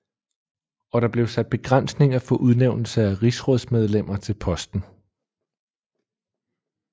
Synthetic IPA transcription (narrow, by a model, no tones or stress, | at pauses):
ɒ̽ɾ̥ɑ̈b̥le̝ʊsæd̥̚b̥e̝ɡ̥ʁan̰sne̝ŋɐfɒ̽ʔuð̞ˠneʊ̰nl̩səæʁisʁɔð̞ˠsmeð̞ˠlem̰ɐt͡sʰe̝lpʰɒ̽sd̥n̩